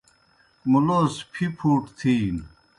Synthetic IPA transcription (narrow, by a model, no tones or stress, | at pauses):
muloːspʰipʰuːʈt̪ʰiː